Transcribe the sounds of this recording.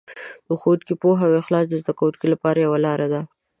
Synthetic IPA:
d̪̥əxot̪kipoɦawexlɑsd̪əzd̪akawut̪kilapɑɾajawalɑɾad̪a

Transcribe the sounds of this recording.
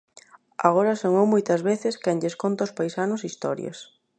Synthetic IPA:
a̰ɣoɾɐsoŋowmojt̪ɐzβeθɪskɛŋʎeskont̪ɐʊspajsanʊsist̪ɔ̰ɾjɐ̰s

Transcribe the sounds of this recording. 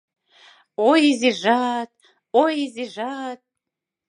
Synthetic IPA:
ojiziʐat̪ʰʼ | ojiziʐat̪̚ʼ

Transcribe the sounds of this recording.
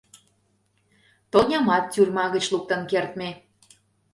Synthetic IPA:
t̪onʲɑmɑt̪ːʲyrmɑɣət͡ɕluk̚t̪ənkert̪me

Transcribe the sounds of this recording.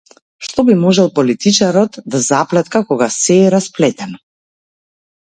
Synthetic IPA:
ʃt̪ɔbimɔʒɛlˠpɔlit̪it͡ʃaɾɔt̪d̪azaplɛt̪kakɔɡasɛːɾasplɛt̪ɛnɔ

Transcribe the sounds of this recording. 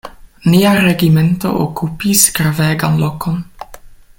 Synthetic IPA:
niaɾeɡimento̞̰ʔokupiskɾaveːɡanlokʰon

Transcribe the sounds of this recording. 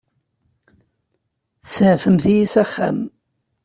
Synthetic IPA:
θəsʕfəmθijisæχːæ̰m

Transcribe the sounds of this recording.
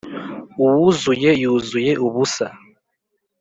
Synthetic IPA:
uwuzujejuzujeʔuβusa̰

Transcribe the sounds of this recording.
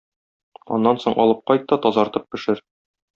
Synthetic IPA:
ɒ̰nːɑnsoɴʔɒ̰lˠɤp̚qɒjt̪ːɑt̪ɒzɑɾt̪ɤp̚bɘ̆ʃɘɾ

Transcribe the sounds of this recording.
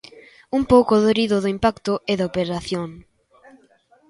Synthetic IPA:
umpowkoðoɾiðʊðʊimpakt̪ʊʔeðaopeɾaθjoŋ

